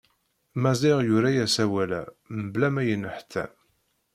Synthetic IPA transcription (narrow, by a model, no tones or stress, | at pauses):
mæzˤɪʁjʊɾæjæsæwælæ | məblæmæjənːəħt̪ːæ̰